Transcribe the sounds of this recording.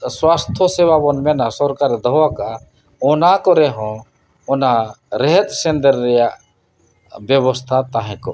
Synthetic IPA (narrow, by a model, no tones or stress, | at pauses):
swast̪ʰosewabɔnmenasɔɾkaɾd̪ɔɦwaka | ɔnakɔɾeɦɔ̃ | ɔnaɾɛɦɛt̪sẽnd̪əɾːɛja | bjebɔst̪ʰat̪aɦɛ̃ko̰